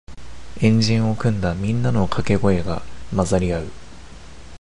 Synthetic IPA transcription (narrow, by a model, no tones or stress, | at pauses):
ẽ̞ɲ̟d͡ʑĩɰ̃o̞kɯ̟̃nd̪amʲĩnːano̞kʰake̞ɡo̞e̞ɡamazaɾʲiaɯ̟